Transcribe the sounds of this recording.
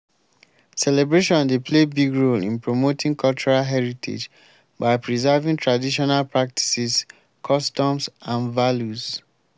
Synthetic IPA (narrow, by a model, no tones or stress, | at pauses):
sɛlɛbɹeʃɔ̃ndepʰlebiɡɹolḭ̃npɹomotʰĩŋkʰɔlt͡ʃuɹalɦɛɹitʰḛd͡ʒ | baɪpɹizɛvĩŋtʰɹadiʃ̬ɔnalpɹak̚tʰi̥sis | kʰɔstɔ̃msãnvaljuz